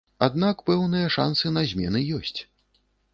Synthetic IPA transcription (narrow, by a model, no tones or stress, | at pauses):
ad̪̚nakpɛwnɨjɐʂa̰nsɨnɐzʲmʲɛ̰nɨjɔsʲt͡sʲ